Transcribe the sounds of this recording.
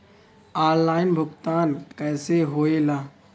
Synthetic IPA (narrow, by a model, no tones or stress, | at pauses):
aːɾlaːɪnbʱʊkt̪aːnkɛːseɦoːelaː